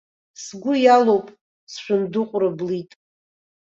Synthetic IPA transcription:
sɡʷʊjalowpʼ | sʃᶣʊndɨqʷʼʊrɨblitʼ

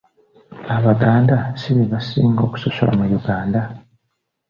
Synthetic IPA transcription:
aβaɡaːndasiβiβasiːŋɡo̞ːku̥soso̰la̰mujuɡaːnda

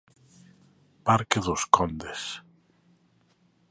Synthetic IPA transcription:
paɾkeðoskɔnd̪es

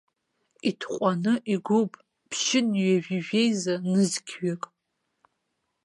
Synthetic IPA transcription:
itʰqʷʼanɨʔiɡʷʊpʼ | pʰʃɪnɥaʒiʒejzanɨzkʲʰɥakʼ

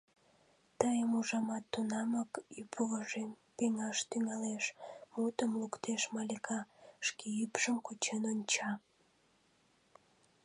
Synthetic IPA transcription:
t̪əjəmuʒɑmɑt̪ːunɑməkypʰuɣəʒem | peŋɑʃt̪yŋɑleʃmut̪əmlukt̪ʰeʃmɑlʲekʰɑʃkeypʃəmkut͡ɕenonʲt͡ɕɑ

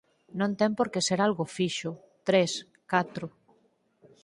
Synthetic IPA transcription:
nõnt̪ɛmpoɾkeseɾalɣʊfiʃʊ | t̪ɾes | kat̪ɾʊ

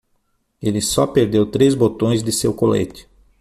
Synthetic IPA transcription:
elɪsɔpeɾd̪ewt̪ɾezbot̪õj̃zd̪ɪsewkolḛt͡ʃ̪ɪ̥

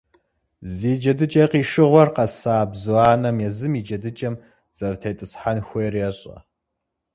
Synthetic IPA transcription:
ziːd͡ʒɐdɨt͡ʃʼɐqiːʂɨʁʷɔrqɐsaːbzuaːnɐmjɛzɨmiːd͡ʒɐdɨt͡ʃʼɐm | z̥ɐrɐtʰejtʼɨsħanxʷejɛrjɛɕʼɐ̰

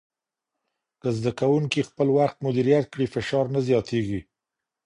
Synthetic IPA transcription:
kəzd̪akawuŋkixpəlwaxt̪mʊd̪iɾijat̪̚kɽifɪʃɑɾnazjɑt̪eɡi

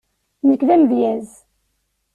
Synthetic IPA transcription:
nəkːðæmðjæz

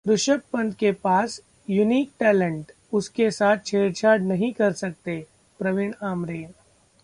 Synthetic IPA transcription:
ɾʊʃək̚pɐ̃nd̪kepaːs | juniːk̚ʈɛːlə̃ɳʈ | ʊskesaːt̪̚ʰt͡ʃʰeːɾt͡ʃʰaːɖnɐɦĩkɐɾsɐk̚t̪e | pɾɐʋɪɳaːmɾeːn

